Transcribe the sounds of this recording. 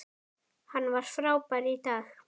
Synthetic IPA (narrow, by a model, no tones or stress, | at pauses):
hanwaʃfɾawpaɾit̪ax